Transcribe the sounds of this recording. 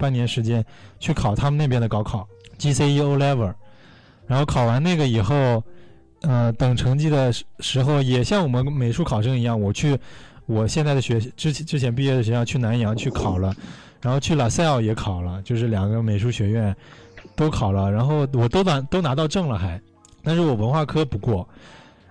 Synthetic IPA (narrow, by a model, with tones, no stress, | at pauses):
pa˥˩njɛ˧˥nʂɻ̩˧˥t͡ɕjɛ˥n | t͡ɕʰy˥˩kʰɑ˨˩ʊt̪ʰa˥mə˨ne˥˩ɪpjɛ˥nd̪ə˩kɑ˥ʊkʰɑ˨˩˦ʊt͡ɕi˥se˥ɪi˥o˥ʊlɛ˥və˞˨˩ | ɻa˧˥nxo˥˩kʰɑ˨˩ʊwa˧˥nna˥˩ɡə˩i˨˩xo˥˩ʊ | ə˧t̪ɤ˨˩ŋʈ͡ʂʰɤ˧˥ŋt͡ɕi˥˩d̪ə˩ʂɻ̩˧˥xo˥˧˩ʊjɛ˨˩ɕjɑ˥˩ŋwɔ˨˩mə˦nme˨˩ɪʂu˥˩kʰɑ˨˩ʊʂ̬ɤ˥ŋi˧˥jɑ˥˩ŋwɔ˨˩t͡ɕʰy˥˩ | wɔ˨˩ɕjɛ˥˧nt͡sa˥˩ɪdə˩ɕɥɛ˧˥ʈ͡ʂɻ̩˥t͡ɕʈ͡ʂɻ̩˥t͡ɕʰjɛ˧˥np̬i˥˧ɥɛ˥˩d̪ə˩ɕɥɛ˧˥jɑ˥˧ʊt͡ɕʰy˥˩na˧˥njɑ˧˥ŋt͡ɕʰy˥˩kʰɑ˨˩ʊlə˦ | ɻa˧˥nxo˥˧ʊt͡ɕʰy˥˩la˨˩sa˥˧ɪɑ˥˩ʊjɛ˧˥kʰɑ˨˩ʊlə˦t͡ɕjo˥˧ʊʂ̬ɻ̩˥˩ljɑ˨˩ŋɡə˦me˨˩ɪʂu˥˩ɕɥɛ˧˥ɥɛ˥˩nt̪o˥ʊkʰɑ˨˩ʊlə˦ɻa˧˥nxo˥˩ʊwɔ˨˩t̪o˥ʊa˧˥t̪o˥ʊna˧˥t̪ɑ˥˧ʊʈ͡ʂɤ˥˩ŋlə˨˩xa˧˩˦ɪ | t̪a˥˧nʂɻ̩˥˩wɔ˨˩wə˧˥nxwa˥˩kʰɤ˥pu˧˥kwɔ˥˩